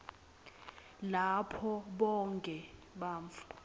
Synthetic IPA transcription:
lapʰɔɓɔŋkʼɛ | ɓaːɱfḁ

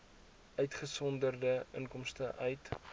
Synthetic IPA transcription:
ʔœɥtχəsɔndərdəə̰ŋkɔmstəʔœɥt

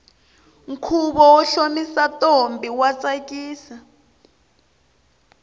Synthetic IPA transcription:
ŋ̩kʰuɓɔɔɬomisatʼombʱiwat͡sʼakʼiːsa

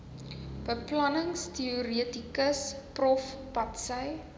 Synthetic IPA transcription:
b̥əplɐnəŋstiuriətikəsprɔfpɐtsəj

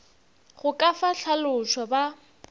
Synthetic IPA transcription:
χʊkʼafaɬʰalʊʃɔba

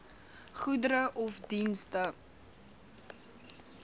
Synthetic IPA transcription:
χudəɾəʔɔfdinstə

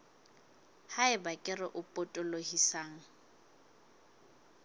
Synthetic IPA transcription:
haɪbakʼɪrɪʔʊpʼɔtʼɔlohisaːŋ̩

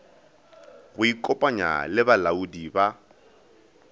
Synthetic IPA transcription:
ɣʊikʼɔpʼaɲa̰lɪbalaudiba

